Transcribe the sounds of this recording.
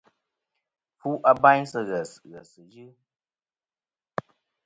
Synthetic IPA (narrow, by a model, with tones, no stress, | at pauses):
fu˦ʔa˦ba˦ɲsə˦ɣə˨sɣə˨sɨ˨d͡ʒɨ˦